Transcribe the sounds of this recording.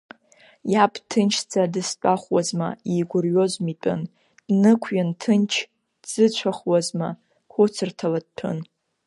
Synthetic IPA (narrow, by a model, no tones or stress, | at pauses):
japʰʼtʰɨnt͡ʃʰt͡sʼadɨst͡pʼaχʷwazma̰iɡʷʊrɥozmitʼɨ̰n | d̥nɨkʷʰɥantʰɨnt͡ʃʰ | dz̥ɨt͡ɕʷʰaχwazma | kʷʊt͡sʰɨrtʰalad̚pʰɨ̰n